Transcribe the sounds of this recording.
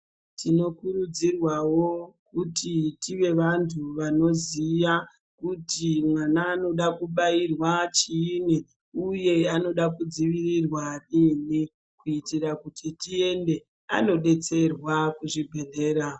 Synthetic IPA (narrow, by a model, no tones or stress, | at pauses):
tino̞kurud͡zirwawo̞kutitiʋe̞ʋantʰuʋano̞zija | kutimwanaːno̞ɗakuɓairwat͡ʃiːni | uje̞ano̞ɗakud͡ziʋirirwarini | kuitirakutʰitie̞nde̞ | a̰no̞ɗe̞t͡se̞rwakuʐibʱe̞ɮe̞ːɾa